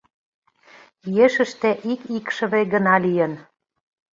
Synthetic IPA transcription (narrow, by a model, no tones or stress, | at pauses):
yjeʃə̆ʃt̪ĕʔikikʃə̆βeɡə̆nɑlijə̆n